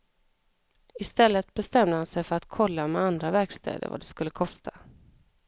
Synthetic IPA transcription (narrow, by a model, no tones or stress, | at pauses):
ɪst̪ɛlːət̪̚bɛst̪ɛmd̪əhansɛjfœɾat̪kʰɔlːamɛand̪ɾavæɾkst̪ʰɛ̰ːd̪ə̰ɾva̰d̪ɛskɵlːəkʰɔst̪ʰa